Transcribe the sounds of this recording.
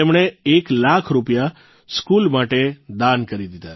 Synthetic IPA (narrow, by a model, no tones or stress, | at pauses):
emɳeːklakʰɾupja | skulmaʈed̪ankəɾid̪id̪a